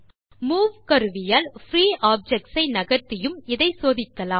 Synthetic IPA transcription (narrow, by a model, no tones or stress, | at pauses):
muːʋkɐɾɯʋɪjaːlfɾiːʔaːb̚d͡ʒɛk̚ʈsɐɪnɐɣɐɾt̪ːɪjɯmɪðɐɪsoːðɪkːɐlaː